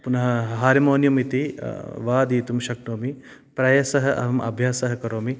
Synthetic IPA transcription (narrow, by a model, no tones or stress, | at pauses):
punɐɦɐɦaːɾimoːnjumit̪iʋaːd̪iːt̪umʃɐknoːmi | pɾɐjɐsɐɦɐʔɐ̰ʋɐmɐ̰bʱjaːsɐɦɐkɐɾoːmi